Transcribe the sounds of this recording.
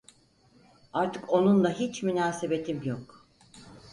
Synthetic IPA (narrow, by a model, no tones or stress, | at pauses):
aɾt̪ʰɯko̞nund̪ˠaɦit͡ʃmynaːsebe̞t̪ʰimjok